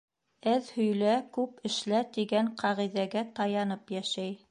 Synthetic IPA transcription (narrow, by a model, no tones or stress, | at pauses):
æðhɵ̆jlækʉpɘ̆ʃlæt̪iɡæŋqʰɑʁiðæɡæt̪ɑjɑnɤpjæʃæj